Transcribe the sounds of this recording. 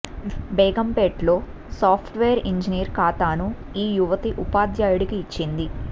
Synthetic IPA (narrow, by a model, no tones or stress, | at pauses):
bɛːɡɐmpeːʈlo̞ː | saːpʰʈʋeːɐɾiɲd͡ʒinijɾkaːt̪aːnu | iːjuʋɐt̪iʔupaːd̪jaːjuɽikiːt͡ʃːind̪i